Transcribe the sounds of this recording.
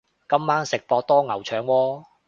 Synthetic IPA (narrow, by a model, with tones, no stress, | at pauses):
kɐ˥mːaː˥nsɪ˨k̚pɔː˧k̚t̪ɔː˥ŋɐ˨˩wt͡ʃʰœː˨˧ŋwɔː˧